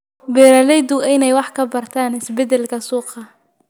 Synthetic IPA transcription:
bɛːɾɐlɛjd̪ʊɪnɛjwɑħkʰɐbɐrt̪ʰaːnɪsbɛd̪ɛlkʰɐsuːqɑ

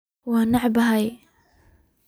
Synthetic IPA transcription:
wanaʕbaɦaj

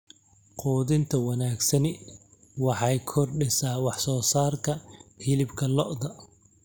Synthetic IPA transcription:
quːðɪnt̪ʰɐwɐnaːɡsɐnɪ | wɑħɑjkʰɔrɖɛsaːwɑħsɔːsaːrt̪ʰɐhɪlɪbkʰɐlɔʔd̪ɐ

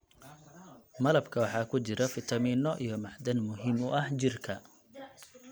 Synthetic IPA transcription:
mɐlɐbkʰɐwɑħɑːkʰʊt͡ʃɪɾɐfɪt̪ʰɐmiːnɔʔijɔmɑħd̪ɐnmʊɦɪmʊʔɐht͡ʃɪrkʰɐ

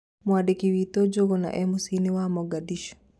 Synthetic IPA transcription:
mwaɗekiwit̪od͡ʒoɣɔna̰ʔɛmusiniwamɔɡadiʃɔ̥

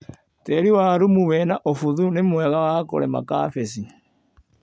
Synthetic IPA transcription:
teɾiwaɾumuβɛnaʔofuðunemwɛɣawako̰ɾema̰ka̰fesi

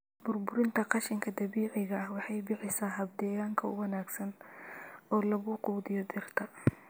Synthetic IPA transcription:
bʊrbʊɾɪnt̪ʰɐqɑʃɪŋkʰɐd̪ɐβiːʕɪɣɐɐhwɑħɑjbɪħɪsaːɦɐb̚d̪ɛːjaːŋkʰɐʊ̰wɐnaːɡsɐn | ɔːlɐɣʊquːðɪjɔd̪ɪrt̪ʰɐ

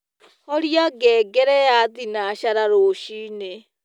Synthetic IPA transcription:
ɔɾiaɡɛːɡɛɾɛjaðinaɕaɾaɾoɕiːne

